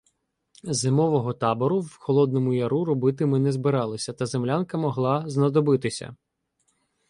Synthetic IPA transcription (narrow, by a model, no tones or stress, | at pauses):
zɪmɔʋɔɦɔt̪ɑbɔɾʊwxɔlˠɔd̪̚nɔmʊjɐɾuɾɔbɪt̪ɪmɪnɛzbɪɾɑlˠɪsʲɐt̪ɐzemlʲankɐmɔɦlˠɑznɐd̪ɔbɪt̪ɪsʲɐ̰